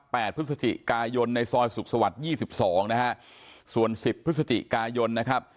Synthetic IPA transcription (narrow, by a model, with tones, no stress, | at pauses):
pːɛː˨˩t̪̚pʰɯ˦˥sa˧t̪ḭ˨˩kaː˧jo˧nːa˧jsɔː˧jsu˨˩k̚sa˧wa˨˩t̪̚jiː˥˩si˨˩p̚sɔː˩˦ŋna˦˥kʰa˦˥ʔsu˨˩ənsi˨˩p̪̚ʰːsa˧t̪ḭ˨˩kaː˧jo˧nːa˦˥kʰa˦˥p̚